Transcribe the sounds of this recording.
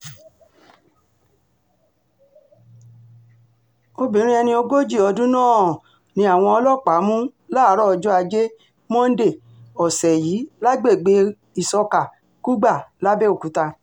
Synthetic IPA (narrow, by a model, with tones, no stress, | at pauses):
o˧bĩ˨˦ɾ̃ĩ˦ɛ˧nĩ˧o˧ɡo˦d͡ʒi˦˨ɔ˧dũ˦nãː˦˨ | nĩ˧˦a˦˨w̃ɔ̃˧ɔ˧lɔ˦˨k͡pa˨˦mũ˦la˦˨˦ɾɔ˦ɔ˧d͡ʒɔ˦a˧d͡ʒe˦ | mɔ̃˦n̩˦de˦˨ | ɔ˨sɛ˨jiː˨˦la˦ɡ͡be˦˨ɡ͡be˧ | i˨sɔ˧ka˨ | ku˦ɡ͡ba˦˨la˦be˦o˦˨ku˨˦ta˧